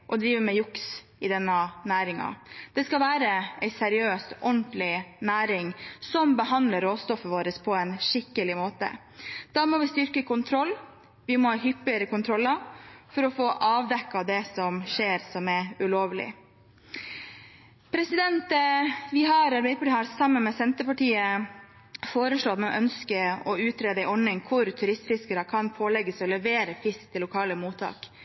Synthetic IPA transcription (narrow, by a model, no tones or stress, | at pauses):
ʔɔd̪ɾiːʋəmɛjʊks | ɪd̪ɛnːɑnæːɾɪŋɑ̰d̪̥ɛskɑlʋæːɾəæɪsɛɾɪøːst̪ʔɔnt̪lɪnæːɾɪŋsɔmbəɦɑnd̪ləɾoːst̪ɔfəʋoːɾəspʰɔɛnʂɪkːəlɪmoːt̪ə̰ | d̪̥ɑːmɔʋɪst̪ʏɾkəkʊnt̪ʰɾɔlː | ʋɪmɔhɑːɦʏpːɪəɾəkʊnt̪ʰɾɔlːɑfɔɾɔfoːʔɑːʋd̪ɛkːɑd̪ɛsɔmʂeːɾsɔmɛʉloːʋlɪ̰ | pʰɾɛsɪd̪ɛnt̪ʋɪɦɑɾɑɾbɛɪd̪əpɑʈiːhɑɾsɑmːənmɛsɛnt̪əpɑʈiːə | foːɾəʂɭoːɑt̪mɛʔœnskəɔʉːt̪ʰɾeːd̪əɪʔɔnːɪŋkʰʊɾt̪ʰʉɾɪst̪fɪskəɾəkʰɑnpʰoːlɛɡːəsɔlɛʋeːɾəfɪskt̪ʰːɪlːʊkʰɑːləmuːt̪ʰɑ̰ːk